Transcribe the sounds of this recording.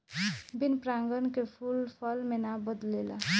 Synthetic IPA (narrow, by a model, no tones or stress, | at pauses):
binpɾaŋɡənkepʰulpʰʌlmenabəd̪lela